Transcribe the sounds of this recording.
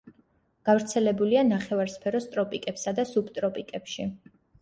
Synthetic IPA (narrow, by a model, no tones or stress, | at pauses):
ɡ̥avɾt̪sʰɛlɛbulianaχɛvaɾspʰɛɾɔst̪ʼɾɔpʼikʼɛpsad̪asubt̪ʼɾɔpʼikʼɛpʃi